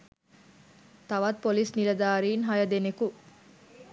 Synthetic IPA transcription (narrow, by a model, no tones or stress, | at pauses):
t̪ɐʋat̪̚polisnilɐd̪aːɾiːnɦɐjɐd̪eneku